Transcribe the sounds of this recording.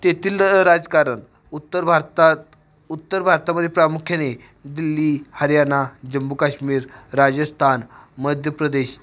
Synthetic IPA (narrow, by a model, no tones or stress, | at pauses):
t̪et̪iːlɾad͡zkaɾən | ut̪ːəɾbʱaɾt̪a | ut̪ːəɾbʱaɾt̪aməd̪ʱjepɾamukʰjane | d̪ilːiːhəɾjanad͡ʑəmbukaɕmiːɾɾad͡zəst̪ʰanməd̪ʱjəpɾəd̪eɕ